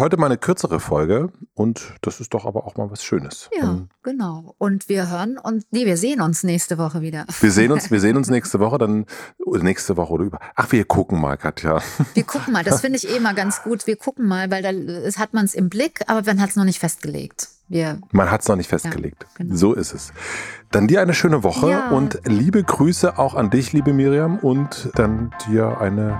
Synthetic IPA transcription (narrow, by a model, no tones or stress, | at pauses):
hɔʏtəmaːlnəkʰʏɐt͡səʁəfɔlɡəʔʊntd̥asɪst̚d̥ɔχʔa̰ːbɐʔaʊxmaːlvasʃøːnəsjaːɡ̥ənaʊʔʊntv̥iːɐɦøːʁənʊnsneːviːɐzeːənʊnsnɛːçstəvɔχəviːdɐviːɐzeːənʊnnsviːɐzeːənʊnsnɛːçstəvɔχədanʔoːdɐnɛːçstəvɔχəoːdɐʔyːbɐʔaχv̥iːɐkʰʊkŋ̩ma̰ːlɡatʰja̰ːviːɐkʰʊkŋ̩maːldasfɪndəɪçʔeːɪmaːlɡant͡sɡ̥uːtv̥iːɐkʰʊkŋ̩maːlvaɪldaːhatmansɪmblɪkʔa̰ːbɐmanɦatsnɔχnɪçtfɛst̚ɡ̥əlḛːk̚t | viːɐmanɦatsnɔχnɪçtfɛstɡ̥əlḛːk̚tzoːʔɪstɛsd̥andiːɐʔaɪnəʃøːnəvɔχəʊntliːbəɡʁyːsəʔaʊxandɪçliːbəmiːʁiamʔʊntd̥and̥iːɐʔa̰ɪnə